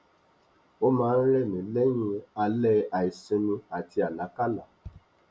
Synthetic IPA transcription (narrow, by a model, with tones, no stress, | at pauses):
o˦mãː˨˦n̩˦ɾɛ˦˨nĩ˨˦le˦ɲĩ˧˦a˧lɛ˦˨a˨i˨sĩ˧nũ˧a˨ti˧a˨la˨˦ka˦la̰˨